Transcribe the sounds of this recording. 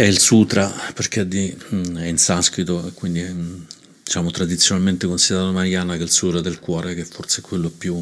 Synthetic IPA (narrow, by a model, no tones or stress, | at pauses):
ɛilsut̪ɾaperk̟ead̪ːiɛinsaskwit̪oekːwind̪i | d̪it͡ʃaːmot̪ɾad̪it̪sːjonalment̪ekonsid̪eɾat̪omaɾjaːnakeilsuːt̪ɾad̪elkwɔːɾek̟eɛfːort̪seɛkːwelːoɛpju